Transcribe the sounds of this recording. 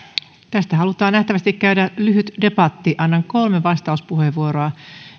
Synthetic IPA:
t̪æst̪æhɑlut̪ɑːnæht̪æʋæst̪ikkːæydælyhyt̪de̞pɑt̪ːiʔɑnːɑŋko̞lmeʋɑst̪ɑuspuheʋʋuoɾoɑ

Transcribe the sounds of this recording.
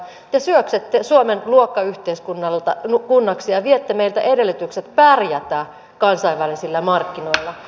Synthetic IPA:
t̪esyøksit̪ːesuomenluokːɑyht̪eiskunːɑlt̪ɑnukunːɑksijɑʋiet̪ːemeilt̪æʔedelːyt̪ykset̪pærjæt̪æː | kɑnsɑiʋʋælisilːæmɑrkːino̞ilːɑ

